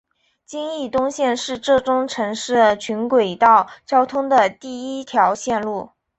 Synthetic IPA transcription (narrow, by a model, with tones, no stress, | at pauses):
t͡ɕi˥ŋi˥˩t̪ʊ˥ŋɕjɛ˥˧nʂɻ̩˥˧ʈ͡ʂɤ˥˩ʈ͡ʂʊ˥ŋʈ͡ʂʰɤ˧˥ŋʂɻ̩˥˩ə˩t͡ɕʰy˧˥nkwe˨˩ɪt̪ɑ˥˩ʊt͡ɕjɑ˥ʊt̪ʰʊ˥ŋd̪ə˨t̪i˥˩i˥t̪ʰjɑ˧˥ʊɕjɛ˥˧nlu˥˩